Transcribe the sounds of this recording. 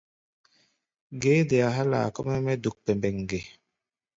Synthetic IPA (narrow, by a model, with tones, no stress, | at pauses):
ɡe˦de˨a˨ɦa˦la̰˨kɔ˦mɛ˦mɛ˦du˨k̚pɛ˨mbɛ˨ŋɡe˨